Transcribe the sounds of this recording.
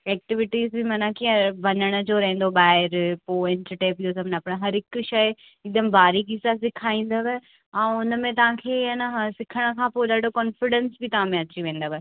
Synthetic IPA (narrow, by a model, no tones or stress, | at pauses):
ɛːk̚ʈɪʋɪʈiːzbʱimɐnakiːə̃ʋɐnəɽ̃ə̆d͡ʑoːɾɐɦẽn̆d̪obaːɪɾpoːɪ̃nʈəʈeːpios̬ɐbʱnɐpɽ̃aɦɐɾɦɪkʃɐ | ɪk̚d̪əmbaːɾiɡisasɪkʰaːĩːn̆d̪əʋɛ | ɛ̃ːʊnəmẽt̪̬ɐʋ̤ãkʰeːɐnaɦsɪkʰəɽ̃ə̆kʰãːpoːɗaːɖʱokɔːnfɪɖə̃nsbʱit̪ɐʋ̤ãːmẽɐt͡ɕiʋẽːnd̪əʋɛ